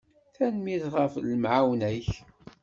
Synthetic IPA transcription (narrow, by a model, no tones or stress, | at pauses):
θænmiðʁəfləmʕawnæç